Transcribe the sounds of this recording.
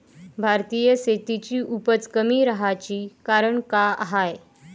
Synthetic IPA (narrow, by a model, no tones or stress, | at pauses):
bʱaɾt̪ijəset̪it͡ɕiːʔupət͡skəmiːɾəɦat͡ɕiːkaɾəɳkaaɦaj